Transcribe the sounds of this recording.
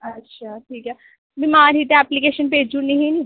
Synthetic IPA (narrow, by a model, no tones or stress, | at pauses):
ɐtːʃʰaːʈʰiːkɛː | bɪmaːɾiːt̪eɛːplikeːʃənpeːd͡ʒũnẽɦĩni